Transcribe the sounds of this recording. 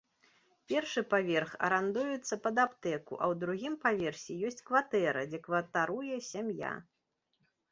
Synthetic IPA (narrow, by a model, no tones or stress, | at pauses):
pʲɛrʂɨpavʲɛrxɐ̰ɾand̪ujut̪sːɐpɐd̪apt̪ɛkṵʔɐwd̪ɾuɣʲimpavʲɛrsʲijɔsʲt͡sʲkvat̪ɛɾɐ̰d͡zʲɛkvɐt̪aɾujɛsʲamja̰